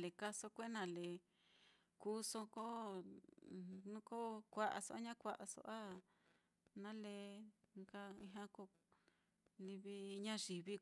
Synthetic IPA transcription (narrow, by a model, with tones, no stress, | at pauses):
le˨ka˧so˦kʷe˦nã˨le˨ | ku˦so˧ko˦ | nũ˦ko˦kʷa˧˨ʔa̰˧so̰˧a˦ɲã˦kʷa˧˨ʔa˧so̰˧ʔa˦ | nã˦le˧ŋka˧ĩ˧ɦã˦ko˧ | li˧βi˧ɲã˦ʐi˨βi˦